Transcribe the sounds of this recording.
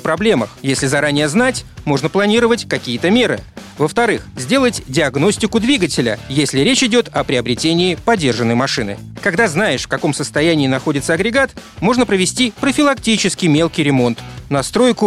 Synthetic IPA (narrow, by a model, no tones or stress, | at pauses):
fpɾɐblʲe̞məxjesʲlʲɪzɐɾanʲɪjəznatʲmo̞ʐnəplˠɐnʲiɾəvətʲkɐkʲijət̪əmʲe̞ɾɨvəft̪ɐɾɨxzʲdʲe̞lˠətʲdʲɪɐɡno̞sʲtʲɪkʊd̪vʲiɡətʲɪlʲə̰jesʲlʲɪɾʲet͡ɕɪdʲo̞t̪ɐpɾʲɪɐbɾʲɪtʲenʲɪːpɐdʲːe̞rʐɨnːəjmɐʂɨnɨ̰kɐɡd̪aznajɪʂfkɐko̞msəst̪ɐjænʲɪːnɐxo̞dʲɪt̪səɐɡɾʲɪɡat̪mo̞ʐnəpɾəvʲɪsʲtʲipɾəfʲɪlˠɐktʲit͡ɕɪskʲɪjmʲe̞lˠkʲɪjɾʲɪmo̞nt̪nɐst̪ɾo̞jkʊ